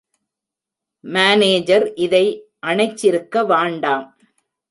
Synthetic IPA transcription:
maːneːd͡ʒɐɾʔɪðɐɪʔɐɳɐɪt͡ʃːɪɾɯkːɐʋaːɳɖaːm

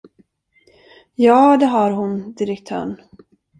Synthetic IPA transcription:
jɑːd̪ɛɦaɾɦʊnd̪ɪɾɛkt̪ʰœ̰ːɳ

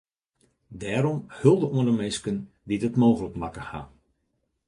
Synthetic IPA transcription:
dɛːɾɔmhɵlˠdəuəndəmɛskən | ditətmoːɣələkmakəha̰

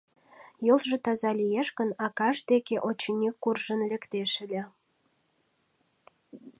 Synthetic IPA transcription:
jolʒĕt̪ɑzɑlijeʃkə̆nɑkɑʃd̪ekeʔot͡ɕinʲikːurʒənlə̆kt̪eʃɘ̆lʲĕ

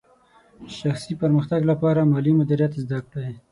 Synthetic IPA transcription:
ʃaxsipəɾməxt̪aɡlapɑɾamɑlimʊd̪iɾjat̪zd̪akɽae

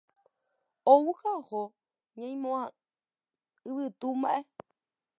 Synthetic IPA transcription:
owuhaho | ɲãj̃mõã | ɨβɨt̪umbaʔe

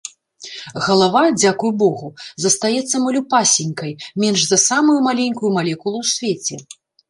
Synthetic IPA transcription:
ɣɐlˠavad͡zʲakujbɔɣuzɐst̪ajɛt̪sːɐmɐlʲupasʲinʲkɐjmʲɛnʐzɐsamujumalʲɛnʲkujumalʲɛkulˠuwsʲvʲet͡sʲɛ

